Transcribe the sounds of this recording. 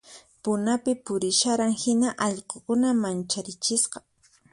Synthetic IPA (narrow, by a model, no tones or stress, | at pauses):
pʊnapɪpʊɾɪʃaɾaŋhɪnaʔɑʎqokʊnamant͡ʃaɾɪt͡ʃɪsqɑ̥